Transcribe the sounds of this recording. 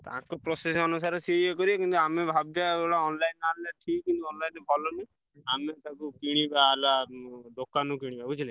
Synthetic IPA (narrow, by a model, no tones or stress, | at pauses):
t̪ã̰kupɾɔsesɔnusaɾɔsiekɔɾibekint̪uamebʱabjaoɽaɔnlajnalaʈʰikkint̪uɔnlajnɔbʱɔlɔni | amet̪ãkukiɽ̃ibaːlad̪okanuk̬iɽ̃ibabut͡ʃʰile